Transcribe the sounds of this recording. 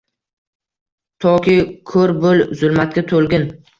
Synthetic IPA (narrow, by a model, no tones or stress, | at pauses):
t̪ʰɒkʲɪkʰɵɾbolzʊlˠmat̪̚kʲat̪ʰolɡʲɪn